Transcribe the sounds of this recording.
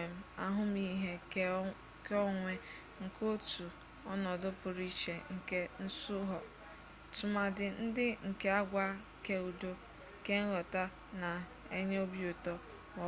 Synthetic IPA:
m̩˨a̰˦ɦʊ˦mi˦ɦe˦ | kɔ˦ŋʷe˦ | ŋ̩˨ko˦tu˨ | ɔ˦nɔ˨dʊ˦pʊ˨ɾi˦t͡ʃe˨ŋ̩˨ke˦n̩˦sʊ˦ɦɔ˨ | tʊ˨ma˨dɪ˨n̩˦dɪ˦ŋ̩˨ke˦a˦ɡʷa˦ | ke˦u˨do˦ | ke˦ŋ̩˦ɣɔ˨ta˦ | na˨ | e˦ɲe˦o˦bjʊ˨tɔ˦ | mɔ˨˦

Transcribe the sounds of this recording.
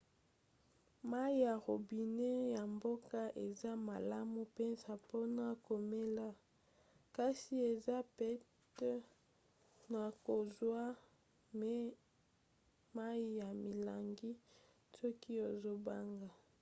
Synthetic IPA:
ma˦i˦ja˨ʁo˨bi˨ne˦ja˨mbo˦ka˦ʔe˨za˦ma˨la˦mu˦pɛ˦nza˨po˦na˨ko˨me˦la˦ | ka˦si˦e˨za˦pɛ˦t | na˨ko˨zwa˦ | me˦ | ma˦i˦ja˨mi˨la˨ŋɡi˦ | sɔ˦ki˦e˨zo˦ba˦ŋɡa˨

